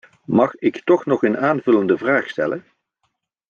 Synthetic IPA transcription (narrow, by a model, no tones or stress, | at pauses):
mɑχɪktɔχnɔχənaːnvɵləndəvraːχstɛ̰lə̰n